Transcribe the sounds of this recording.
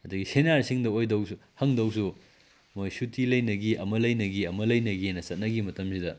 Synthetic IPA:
ɐdɐɡisenaɾsiŋdɐojdɐwsuhɐŋdɐwsu | mojsutʰilɐjnɐɡiʔɐmɐlɐjnɐɡiɐmɐlɐjnɐɡiajnɐsɐt̚nɐɡimɐtɐmsidɐ

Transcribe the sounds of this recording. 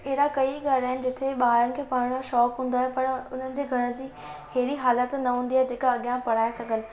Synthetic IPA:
eɦɪɽakɐiɠaːɽaːɦɪnɪ̆d͡ʑɪt̪ʰeɓaːɦɾənɪ̆kʰeːpaːɽɽ̃oʃɔːkɦũːnd̪aːɦepɐɾʊn̤ənɪ̆d͡ʑeːɡʱɐɾə̃̆d͡ʑiː | heɦɽiɦaːlət̪nɐɦũːnd̪iaːɦed͡ʑeːkaɐɠjãpɐɽ̤aːesɐɡʱənɪ̆

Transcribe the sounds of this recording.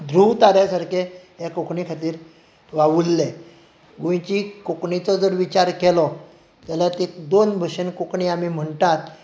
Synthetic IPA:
d̪ʱɾut̪aɾjasaɾkeɦekokɳikʰat̪iːɾ | ʋaʋulːe | ɡojt͡ɕikokɳit͡sɔd͡zəɾʋit͡ɕaɾkɛlɔ | t̪alat̪ekd̪onbʱəɕənkokɳiamim̤əɳt̪at̪

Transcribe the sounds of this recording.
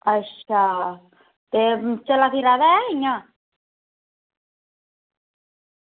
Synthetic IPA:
aʃa | t̪et͡ʃalaθiɾaðaɛiɲa

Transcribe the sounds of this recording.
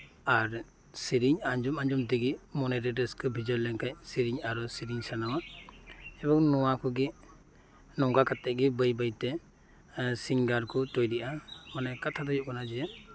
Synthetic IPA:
aɾ | siɾiɲaɲd͡ʒumaɲd͡ʒumd̪iɡimɔnɛɾɛɖɛskɯbʱid͡ʒɔɾlɛŋkac̚siɾiɲaɾɔsiɾiɲsanawa | ɛbɔŋnɔwakʰɔɡi | nɔŋɡakat̪ɛʔ̚ɡibəjbəjt̪ɛ | siŋɡaɾkʰɔt̪ɔjdiʔamanɛkat̪ʰad̪ɔjɔʔkɔnad͡ʒɛja

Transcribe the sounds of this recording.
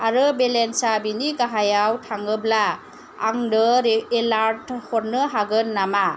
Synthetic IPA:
aɾɯbelensabiniɡaɦajawtʰaŋɯbla̰ː | ŋdɯɾelaɾthɔɾnɯɦaɡɯnːama

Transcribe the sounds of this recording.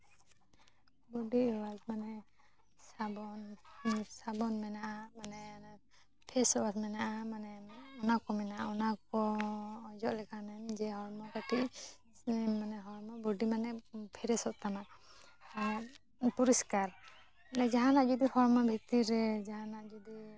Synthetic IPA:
bɔɖiwad͡ʒmanɛ | sabɔn | sabɔnmɛnaʔamanɛ | pʰɛsɔwasmɛnaʔamanɛɔnakɔmɛnaʔaɔnakɔː | d͡ʒɔʔlɛkʰanɛmd͡ʒɛɦɔɾmɔkaʈʰiʔ | manɛɦɔɾmabɔɖimanɛpʰɛɾɛsɔʔt̪ama | a | puɾiskaɾ | ɛd͡ʒaɦanaʔd͡ʒɔd̪ihɔɾmabʱit̪iɾɛd͡ʒaɦanaʔd͡ʒɔd̪i

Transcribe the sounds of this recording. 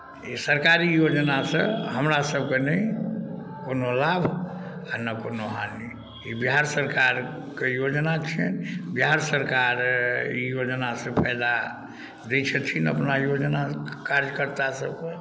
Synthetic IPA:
isəɾkaɾijod͡ʒnasə̃ɦəmɾasəb̚kenəj | konolabʱanəkonoɦani | ibiɦaɾsəɾkaɾ | kejod͡ʒnat͡ʃʰɛnbiɦaɾsəɾkaɾḭjod͡ʒnasẽpʰəɪd̪a | d̪et͡ʃʰət̪ʰinə̰pnajod͡ʒnakaɾjkəɾt̪asəb̚ke

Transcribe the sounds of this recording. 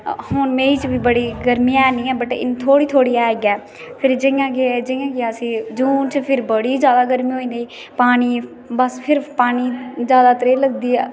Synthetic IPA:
hoːnmẽːiːt͡ʃbiːbəɽiːɡəɾmiːɛːnĩːɛːbəʈːɪ̰nt̪ʰoːɽiːt̪ʰoːɽiːɛːeɡɛː | pʰɪɾd͡ʒɪ̃ãːɡed͡ʒɪjãːɡeəsĩːd͡ʒuːnt͡ʃpʰɪɾbəɽiːd͡ʒjaːd̪aːɡəɾmĩːɦoːĩːnd̪iː | paːniː | bəspʰɪɾpaːniːd͡ʒjaːd̪aːt̪əɾeːləɡd̪iːɛː

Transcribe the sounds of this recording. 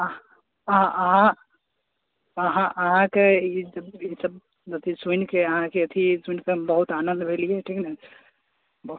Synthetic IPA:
ɦãʔəɦã | əɦãʔəɦãkeid͡ʒəbisəb̚ | d͡ʒɐt̪ʰisunkeəɦãkeɐt̪ʰisunkebəɦut̪anənd̪bʱelijeʈʰiknai | bɦu

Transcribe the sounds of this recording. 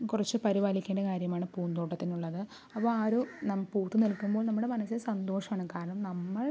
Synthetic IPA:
kurɐt͡ɕːɨpɐɾiʋaːlikʲːeːɳɖɐkaːɾjɐmaːɳɨpuːnd̪oːʈːɐt̪ːinuɭːɐðɨ | ɐpːoːaːɾunɐmːɐpuːt̪ːunilkːumbo̞ːlnɐmːuɽe̞mɐnɐsːilsɐnd̪o̞ːʂɐmaːɳɨkaːɾɐɳɐmnɐmːɐɭ

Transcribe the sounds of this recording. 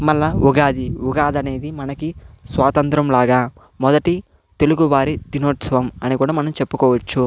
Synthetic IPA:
mɐlːɐuɡaːd̪iuɡaːd̪ɐne̞ːd̪imɐnɐkisʋaːt̪ɐnt̪ɾɐmlaːɡaː | mɔd̪ɐʈi | t̪e̞luɡuʋaːɾid̪inoːʈsɐʋɐmɐnikuːɽaːmɐnɐmt͡ʃe̞pːukɔːʋɐt͡ʃːu

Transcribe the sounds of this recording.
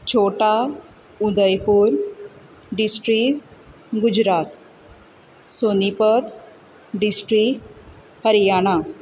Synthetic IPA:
t͡ɕʰoʈa | ud̪əjpuːɾ | ɖisʈɾik | ɡud͡ʑɾat̪ | sonipət̪ | ɖisʈɾik | həɾijaɽ̃a

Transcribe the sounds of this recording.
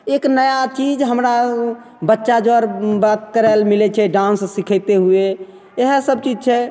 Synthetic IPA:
eknəjat͡ʃid͡ʒɦəmɾa | bətːʃad͡ʒoəɾbat̪̚kəɾɛlmilɛt͡ʃʰɛɖãnsːikʰət̪eɦue | eɦsəb̚t͡ʃid͡ʒt͡ʃʰɛ

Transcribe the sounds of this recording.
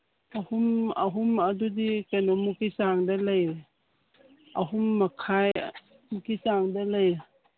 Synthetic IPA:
ahumɐɦumɐdudikanomukisaŋdalaj | ɐɦumːakʰaj | mukisaŋdɐlaj

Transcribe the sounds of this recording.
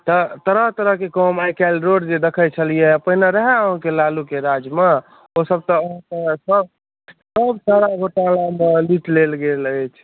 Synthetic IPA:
t̪ɔt̪əɾəɦt̪əɾəɦkekɔmajkalɾoɽd͡ʒed̪ekʰət͡ʃʰəlijepəɦinaɾəɦɛəɦə̃kelalukeɾad͡ʒme | osəb̚t̪ɔəɦt̪əsəb | səbsaɾaɡʱoʈalameliʈlelɡelət͡ʃʰ

